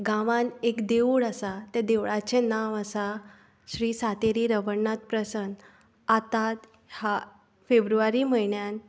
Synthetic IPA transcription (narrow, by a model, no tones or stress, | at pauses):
ɡãʋãnekd̪euɽəsat̪ad̪eʋɭat͡senaʋəsa | ɕɾiːsat̪eɾiːɾəʋəɳnːat̪pɾəsən | at̪at̪ | ha | febɾuʋaɾiːməjɳjan